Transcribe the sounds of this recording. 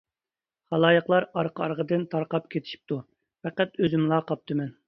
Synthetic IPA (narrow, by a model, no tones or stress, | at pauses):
χɑlˠɑːjəqlˠɑɾɑɾqʰɑɾʁəd̪ɨnt̪ʰɑɾqɑp̚kʲʰet̪ʰɪ̥ʃi̥p̚t̪ʰu | fɛqæt̪øzɪmlˠɑqɑp̚t̪ʰɨmɛn